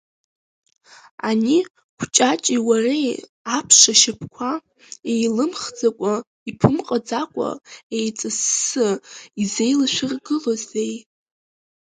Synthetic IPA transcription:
a̰ni | kʷʰt͡ʃʼat͡ʃʼiwarej | apʰʂaʃapʰkʷʰa | ejlɨmχd͡zakʷʼa | ipʰɨmqʼad͡zakʷʼa̰ejt͡sʼɨsːɨize̞jlaʃʷᶣɪrɡɨlozej

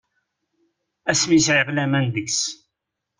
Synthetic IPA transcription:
æsmisʕəqlæmænðəks

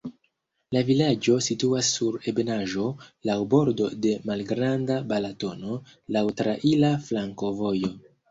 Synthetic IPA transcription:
lavilad͡ʒo̞situasːuɾe̞be̞naʒo̞lawbo̞ɾdo̞de̞malɡɾandabalato̞no̞ | lawtɾaʔilaflaŋko̞vo̞jo̞

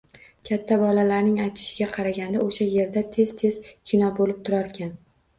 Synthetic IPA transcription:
kʲʰat̪ʰːabɒlalaɾnɪŋajt̪ʰɪ̥ʃɪɡʲaqʰɑɾaɡʲand̪aoʃaje̞ɾd̪at̪ʰe̞z̥t̪ʰe̞z̥t͡ʃʰɪnɒbolɪp̚t̪ʰʊɾaɾkʲʰan

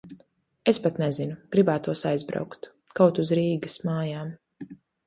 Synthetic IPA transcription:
espat̪nɛzinuɡ̥ɾibaːt̪uɔsajzbɾa̰wkt̪ | kawt̪uzɾiːɡɐsmaːjaːm

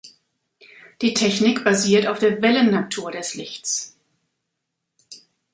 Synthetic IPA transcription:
d̥iːtʰɛçnɪkb̥aziːɐtaʊfd̥eːɐvɛlənːatʰuːɐɾɛslɪçt͡s

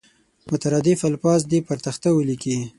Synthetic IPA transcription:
mʊt̪aɾɑd̪ɪfalfɑz̬d̪ipaɾt̪axt̪awəliki

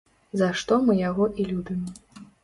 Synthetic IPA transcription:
zɐʂt̪ɔmɨjaɣɔʔilʲubʲim

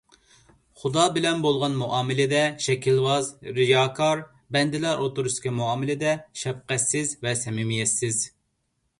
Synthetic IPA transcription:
χud̪ɑːbɪlɛmbolˠʁɑnmuʔɑːmɪlɪd̪ɛʃɛkʰʲilwɑzɾɪjɑːkʰɑɾ | bɛnd̪ɪlɛɾʔot̪oɾust̪kʲʰɑmuɑːmɪlɪd̪ɛʃɛp̚qɛsːɪzvɛsɛmɪmijɛsːɪz

